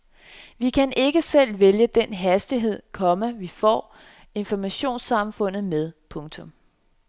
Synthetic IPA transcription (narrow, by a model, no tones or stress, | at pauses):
ʋikʰænʔe̝ɡ̥əsel̰ʋeljəd̥en̰ɦæsd̥iɦe̝ð̰ˠkʰɒ̽məʋifɒ̰ː | e̝nfɒmæɕo̝̰ːnsɑ̈mfɔ̽n̰ð̞̩ˠmeð̞ˠpʰɔ̽ŋt͡sʰɔ̽m